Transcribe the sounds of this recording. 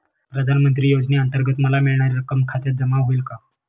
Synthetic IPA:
pɾəd̪ʱanmənt̪ɾiːjod͡zniənt̪əɾɡət̪məlamiɭɳaɾiɾəkəmkʰat̪jad͡zəmaɦoilka

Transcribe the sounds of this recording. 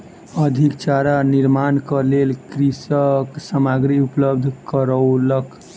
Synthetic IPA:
əd̪ʱikt͡ʃaɾaniɾmankəlelkɾisəksəmaɡɾiupləbd̪ʱkəɾəwlək

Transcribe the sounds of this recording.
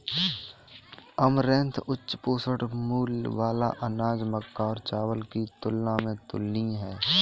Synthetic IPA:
əmɾẽnt̪ʰʊt͡ʃːʃpoːsəʈmuːlʋaːlaʔənaːd͡ʒməkːaɔːɾt͡ʃaːwəlkit̪ʊlːãmẽt̪ʊ̰lniɦɛː

